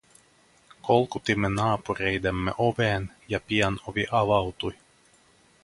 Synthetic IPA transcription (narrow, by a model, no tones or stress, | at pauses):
kolˠkut̪imːenɑːpurejd̪emːḛʔoʋeːn | jɑpiɛnoʋiʔɑʋɑwt̪uj